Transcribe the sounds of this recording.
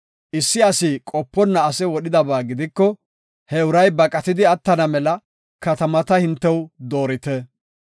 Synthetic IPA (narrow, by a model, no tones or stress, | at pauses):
ʔɪsːɪɐsikʼɔpːɔnːɐːsɛwɔɗɪd̪ɐbaːɡɪd̪ɪkːɔ | hɛʊɾɐjbɐkʼɐt̪ɪd̪ɪɐt̪ːɐnɐmɛlɐ | kɐt̪ɐmɐt̪ɐhɪnt̪ːɛwd̪o̞ːɾɪt̪ɛ